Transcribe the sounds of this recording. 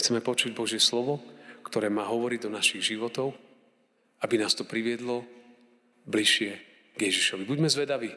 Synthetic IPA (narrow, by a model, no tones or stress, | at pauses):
xt͡sɛmɛpɔt͡ʃuɟ̚bɔʒɪɛslɔʋɔkt̪ɔɾɛːmaːɦɔʋɔɾiɟd̪ɔnaʃiɣʒiʋɔt̪ɔʊ | abinaːst̪ɔpɾiʋɪɛd̪lɔ | bliʃɪɛ | ɡjɛʒiʃɔʋibuɟmɛzʋɛd̪aʋiː